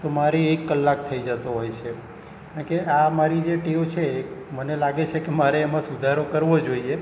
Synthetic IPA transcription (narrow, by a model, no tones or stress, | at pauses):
t̪omaɾeːkːəlːak̚t̪ʰəid͡ʒət̪oɦojt͡ʃʰe | kãɳkeamaɾid͡ʒeʈeot͡ʃʰeːkmənelaɡet͡ʃʰekemaɾeːmãsud̪ʱaɾokəɾʋod͡ʒoie